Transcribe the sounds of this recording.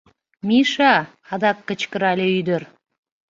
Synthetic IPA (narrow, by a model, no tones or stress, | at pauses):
miʃɑ | ɑd̪ɑkːət͡ɕkəɾɑlʲeyd̪əɾ